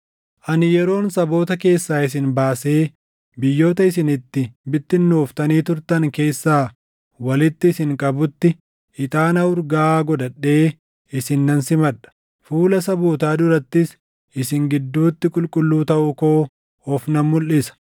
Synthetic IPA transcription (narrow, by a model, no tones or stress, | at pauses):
ʔɐnɪjɛɾo̞ːnsɐbo̞ːt̪ɐke̞ːsːaːɪs̬ɪnbaːse̞ː | bɪjːo̞ːt̪ɐɪs̬ɪnɪt̪ːɪbɪt̪ːɪnːoːft̪ɐniːt̪ʊɾt̪ɐŋke̞ːsːaː | wɐlɪt̪ːɪːsɪŋkʼɐbʊt̪ːɪ | ʔɪt̪ʼaːnɐʊɾɡaːɡɔd̪ɐᶑːe̞ː | ɪsɪnːɐnsɪmɐᶑɐ̥ | fuːlɐsɐboːt̪aːd̪ʊɾɐt̪ːɪs | ʔɪsɪŋɡɪd̪ːuːt̪ːɪkʼʊlkʼʊlːuːt̪ɐʔʊko̞ː | ɔfnɐmːʊlːɪsɐ̥